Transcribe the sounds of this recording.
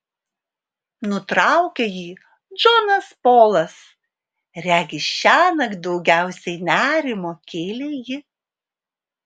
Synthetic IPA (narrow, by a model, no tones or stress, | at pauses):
nʊt̪ɾɑˑʊkʲejiː | d͡ʒoːnɐspoːlˠɐs | ɾʲæːɡʲɪʃʲæːnɐɡd̪ɒʊɡʲæˑʊsʲɛɪnʲæːɾʲɪmoːkʲeːlʲeːjɪ